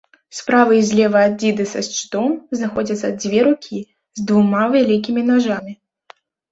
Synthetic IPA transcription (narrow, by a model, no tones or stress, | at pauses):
spɾavɨizʲlʲɛvɐːdʲid̪ɨsɐsʲt͡ʃɨ̥t̪ɔmznaxɔd͡zʲɐt̪sɐd̪d͡zʲvʲɛɾukʲʰi | zd̪vumavʲalʲik̬ʲimʲinaʐamʲi